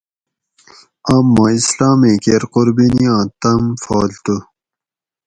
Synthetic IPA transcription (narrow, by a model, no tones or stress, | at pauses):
amːãːislaːmẽːkeɾquɾbiniãːt̪ɐmfoːlt̪u